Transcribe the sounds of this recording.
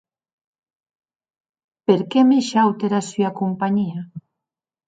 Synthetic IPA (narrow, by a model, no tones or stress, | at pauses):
peɾkɛmeʃawt̪eɾasyakumpaɲia